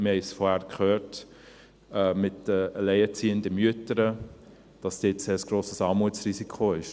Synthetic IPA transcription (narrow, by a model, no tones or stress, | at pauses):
mɪhɛɪsfɔɾhæːɾkχøːɾt | ɛmɪtəəlɛɪət͡siːəndəmyətəɾə | d̥ɑsd̥ɪːtseːəsɡ̥ɾoːsəsɑːmuət͡srisikʰoɪʃ